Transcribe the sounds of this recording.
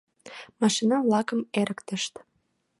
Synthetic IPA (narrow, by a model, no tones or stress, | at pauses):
mɑʃinɑβlɑkəmeɾəkt̪əʃt̪